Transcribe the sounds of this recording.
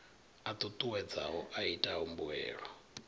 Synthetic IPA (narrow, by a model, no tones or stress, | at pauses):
at̪ʼut̪ʼuwɛd͡za̰ɦɔʔaitʼaɦumbuɛ̰ːɺɔ